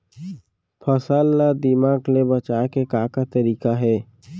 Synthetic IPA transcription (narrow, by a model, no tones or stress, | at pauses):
pʰəsəlːad̪ɪmaːɡlebət͡ʃaːkekaːkat̪əɾiːkaɦɛː